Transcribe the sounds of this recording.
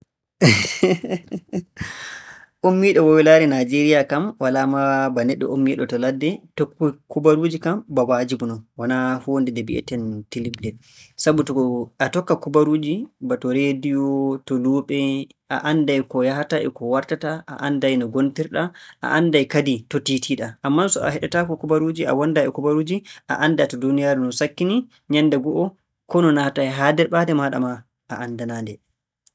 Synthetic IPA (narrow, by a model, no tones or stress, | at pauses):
ʔomːiɗɔwɔwilaɾɛnad͡ʒeɾijakamwalamabanɛɗːɔ̰omːiɗɔtɔladːɛtɔkːukubaɾuːd͡ʒikambawad͡ʒibunɔnwanahondɛdɛbiʔɛ̰tɛntilibdɛ | sabutɔatɔkːakubaɾuːd͡ʒibatɔɾedijɔtɔluːɓɛ | ʔa̰ʔandajkɔjaɦataʔɛkɔwaɾtataʔa̰ʔandajnɔɡontiɾɗaʔa̰ʔandajkaditotitʰiɗaʔamːansɔa̰ɦɛɗɛtakɔkubaɾuːd͡ʒia̰wandaɛkubaɾud͡ʒiʔa̰ʔandatɔdunijaɾɛnɔnsakːini | ɲandaɡɔʔɔ | kɔnɔnahatajɦadɛɾɓadɛmaɗa̰ma | aʔandanandɛ